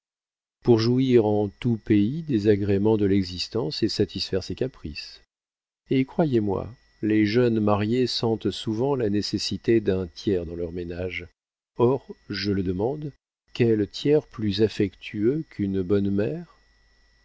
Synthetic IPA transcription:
puʁʒuiʁɑ̃t̪upeid̪ezaɡʁemɑ̃d̪əlɛɡzist̪ɑ̃sesat̪isfɛʁsekapχis | ekχwajemwa̰ | leʒœnmaʁjesɑ̃t̪suvɑ̃lanesesit̪ed̪ɛ̃t̪jɛʁd̪ɑ̃lœʁmenaʒ | ɔʁʒələd̪əmɑ̃d̪ | kʲɛlt̪jɛʁplyzafɛkt̪ʰyøkʰynbɔnmɛːʁ

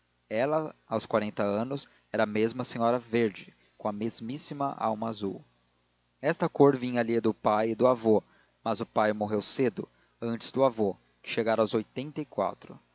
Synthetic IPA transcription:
ɛlɐawskwaɾẽnt̪ɐɐ̃nʊs | ɛɾɐːmezmɐsẽɲɔɾɐveɾd͡ʒɪ | kõɐmezmisimɐ̰ʔa̰wmɐazuw | ɛst̪ɐkoɾvĩɲɐlid̪ʊpajɪd̪ʊavo | mɐzʊpajmoɦewsed̪ʊ | ɐ̃nt͡ʃɪ̥z̥d̪ʊavo | kɪ̥ʃeɡaɾɐawzojt̪ẽnt̪ɐikwa̰t̪ɾʊ

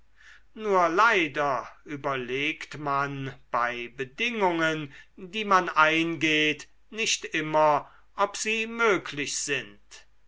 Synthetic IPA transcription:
nuːɐlaɪdɐʔyːbɐleːktmanb̥aɪbədɪŋʊŋəndiːmanaɪnɡeːt | nɪʃtɪmɐ | ʔɔpz̥iːmøːkʰlɪɕz̥ɪnt

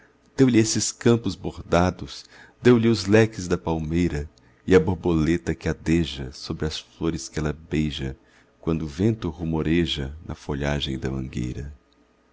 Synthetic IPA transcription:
d̪̥ewlɪesɪskɐ̃mpʊzboɾd̪ad̪ʊs | d̪̥ewlɪʊzlɛkɪzd̪ɐpawmejɾɐ | ɪɐboɾbolet̪ɐkɪad̪eʒɐsobɾɪɐsfloɾɪskɪɛlɐbejʒɐ | kwɐ̃nd̪ʊvẽnt̪ʊʁumoɾeʒɐnʔɐ̰foʎaʒẽj̃d̪ɐmɐ̰̃ŋɡḛjɾɐ

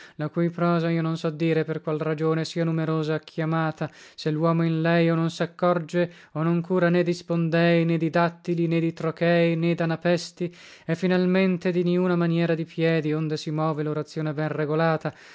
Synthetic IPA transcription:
lakujpɾɔːzaiːononsɔd̪ːiːɾeperkwalrad͡ʒoːnesiːanumeɾoːzaːkʰːjamaːt̪aselːwɔːmoinlɛjononsakːɔrd͡ʒe | onoŋkuːɾaned̪ːispond̪ɛjned̪id̪at̪ːilined̪it̪ɾokɛːjned̪anapɛst̪i | ɛfːinalment̪ed̪iniuːnamanjɛːɾad̪ipjɛːd̪iond̪esimɔːveloɾat̪sːjoːnebɛnreɡolaːt̪a

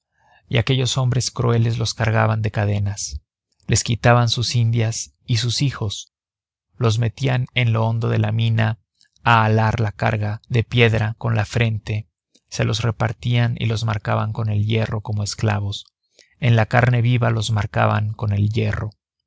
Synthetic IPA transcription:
iake̞ʝo̞so̞mbɾe̞skɾue̞le̞zlo̞skaɾɣa̰βand̪e̞kaðe̞nas | le̞skit̪aβansusind̪jas | is̬usixos | lo̞zme̞t̪iane̞nloo̞nd̪o̞ðe̞lamĩna | aːlaɾlaka̰ɾɣaðe̞pje̞ðɾako̞nlafɾe̞nt̪e̞ | se̞lo̞sre̞paɾt̪ianḭlo̞zmaɾkaβaŋko̞ne̞lʝe̞ro̞ko̞mo̞e̞skla̰βo̞s | e̞nlakaɾne̞βiβalo̞zmaɾka̰βa̰ŋko̞ne̞lje̞ro̞

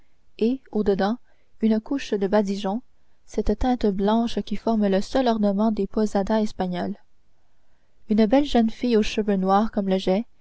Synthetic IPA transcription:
eod̪əd̪ɑ̃ | ynəkuʃd̪əbad̪iʒɔ̃ | sɛt̪t̪ɛ̃t̪blɑ̃ʃkʲifɔʁmləsœlɔʁnəmɑ̃d̪epɔzad̪aɛspaɲɔl | ynbɛlʒənfijoʃəvønwaːʁkɔmləʒɛ

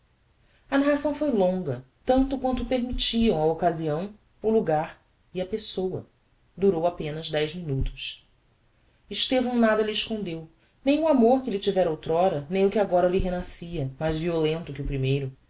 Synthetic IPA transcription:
ɐnaɦasɐ̃w̃fojlõŋɡɐt̪ɐ̃nt̪ʊkwɐ̃nt̪ʊpeɾmit͡ʃiɐ̃w̃ɐokaziɐ̃w̃ | ʊluɡaɾ | iɐpesowɐ̰ | d̪uɾowapẽnɐzd̪ɛjzminut̪ʊ̥ʃ | ɪʃt̪evɐ̃w̃nad̪ɐliɪʃkõnd̪ew | nẽj̃uamoɾkɪlɪt͡ʃivɛɾowt̪ɾɔɾɐnẽj̃ʊkɪaɡɔɾɐliɦenasiɐmajzviolẽnt̪ʊkɪʊpɾimejɾʊ

